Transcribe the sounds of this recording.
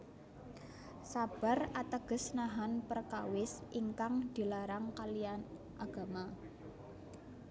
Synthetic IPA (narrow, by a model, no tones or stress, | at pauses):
sab̥a̤rat̪əɡ̥ə̤snaɦanpərkawɪsʔiŋkaŋd̪̥i̤laɾaŋkalian | ʔaɡ̥a̤ma